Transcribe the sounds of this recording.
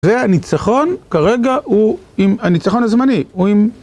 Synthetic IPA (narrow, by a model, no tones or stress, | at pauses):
zeanit͡saχo̞nkaʁe̞ɡau | imanit͡saχo̞nazmaniuim